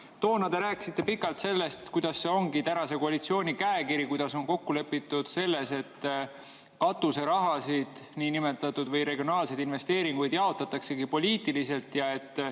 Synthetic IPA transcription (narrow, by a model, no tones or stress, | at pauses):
t̪o̞ːnɑd̪̥e̞ɾæːkːi̥sit̪ːe̞pikːˑɑlt̪se̞lːe̞st̪kujd̪̥ɑsːe̞o̞ŋɡit̪ænɑse̞koɑlit̪sio̞ːnʲikæekiɾikujd̪̥ɑso̞ŋko̞kːule̞pːit̪ːˑud̪̥se̞lːe̞se̞t̪ː | kɑt̪ːuse̞ɾɑɦɑsid̪̥ | niːnime̞t̪ːˑɑt̪ːˑud̪vɤjɾe̞ɡijo̞nɑːlse̞jd̪̥inve̞st̪e̞ːɾiŋɡ̥ujd̪̥jɑo̞t̪ːˑɑt̪ːˑɑkse̞ɡipo̞lʲiːt̪ilise̞lt̪jɑe̞t̪ː